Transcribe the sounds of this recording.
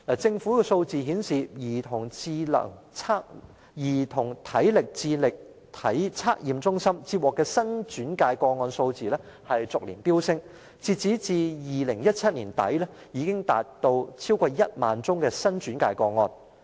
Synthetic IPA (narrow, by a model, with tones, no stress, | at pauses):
a˨˩t͡sɪ˧ŋfuː˨˥kɛː˧so˧wt͡siː˨ɦiː˨˥nsiː˨jiː˨˩t̪ʰʊ˨˩ŋt͡siː˧lɐ̰˨˩ŋt͡sʰaː˥k | jiː˨˩t̪ʰʊ˨˩ŋt̪ʰɐ˨˥jlɪ˨k̚t͡siː˧lɪ˨k̚ | t̪ʰɐ˨˥jt͡sʰaː˥k̚jiː˨mt͡sʊ˥ŋsɐ˥mt͡siː˧p̚wɔː˨˩kːɛː˧sɐ˥nt͡ʃyː˨˥nkaː˧jkɔː˧ŋɔː˧nso˧wt͡siː˨lɛ˥ | hɐ˨jt͡sʊ˨k̚lḭː˨˩npiː˥wsɪ˥ŋ | t͡siː˧t̚t͡siː˨˥t͡siː˨jiː˨lɪ˨˩ŋjɐ˥t̚t͡sʰɐ˥t̚niː˨˩nt̪ɐ̰˨˥jlɛː˥ | jiː˨˧kɪ˥ŋt̪a̰ː˨t̚t̪o˧wt͡sʰiː˥wkɔː˧jɐ˥t̚ma̰ː˨nt͡sʊ˥ŋkɛː˧sɐ˥nt͡ʃyː˨˥nkaː˧jkɔː˧ŋɔː˧n